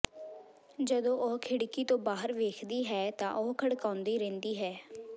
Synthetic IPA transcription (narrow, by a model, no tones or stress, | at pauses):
d͡ʒəd̪õːʔoːɦkʰɪɽkiːt̪õːbaːɦəɾʋeːkʰd̪iːɦɛːt̪ã̰ːʔoːkʰəɽkaːnd̪iːɾɛ̃ːnd̪iːɦɛː